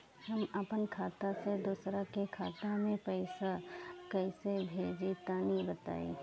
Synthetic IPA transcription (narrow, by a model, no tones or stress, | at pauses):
hɐmapənkʰaːt̪ased̪uːsɾakekʰaːt̪ãmẽpɛɪsakɐɪsebʱeːd͡ʒit̪aːnibət̪a̰ːḭ